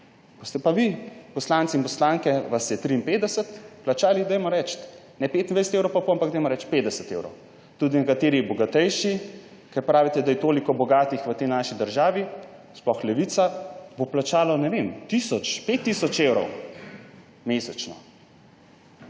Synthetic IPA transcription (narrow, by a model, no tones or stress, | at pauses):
kost̪ɛpaʋipɔslaːnt̪sinpɔslaːŋkɛʋasɛt̪ɾiːnpeːd̪d̪ɛsət̪plat͡ʃaːlid̪ajmɔɾɛt͡ʃt̪ | nɛpeːt̪inajsɛt̪ewɾowpapoampakɡd̪ajmɔɾɛt͡ʃt̪peːd̪ɛsət̪ḛːwɾɔ̰w | t̪ud̪inɛkat̪eːɾibɔɡat̪ɛjʃi | kɛɾpɾaːʋit̪ɛd̪ajɛt̪oːlikɔbɔɡaːt̪ixʋət̪ɛjnaʃid̪əɾʒaːʋi | splɔxlɛʋit̪saboplat͡ʃaːlɔnɛʋemt̪isɔt͡ʃpet̪ːisɔt͡ʃewɾɔ̰w | mesɛt͡ʃnɔ